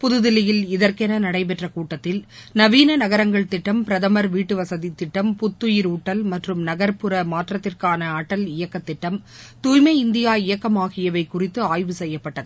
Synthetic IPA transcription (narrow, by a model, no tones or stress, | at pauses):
pʊðɯðɪlɪjɪlɪðɐɾkɛnɐnɐɽɐɪp̬ɛʈrɐkuːʈːɐt̪ːɪlnɐʋiːnɐnɐɣɐɾɐŋɡɐɭt̪ɪʈːɐmpɪɾɐðɐmɐɾʋiːʈːɯʋɐsɐðit̪ːɪʈːɐmpʊt̪ːʊjɪɾuːʈːɐlmɐʈrɯmnɐɣɐɾpɯɾɐmaːʈrɐt̪ːɪrkaːnɐːʈːɐlɪjɐkːɐt̪ːɪʈːɐm | t̪uːjmɐɪɪnd̪ɪjaːɪjɐkːɐmaːɣɪjɐʋɐɪkʊrɪt̪ːɯaːjʋɯsɛjːɐpːɐʈːɐðɯ